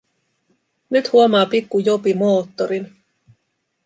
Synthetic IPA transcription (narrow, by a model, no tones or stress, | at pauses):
nyt̪huomɑːpikːujopimo̞ːt̪ːoɾin